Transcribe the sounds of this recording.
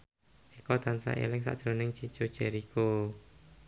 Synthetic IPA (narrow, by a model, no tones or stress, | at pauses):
ikɔt̪ansa̰ʔḛlɪks̬a̰ʔdʒ̥ɾonɪŋt͡ʃi̥t͡ʃod̥ʒ̥ɛ̤ɾiko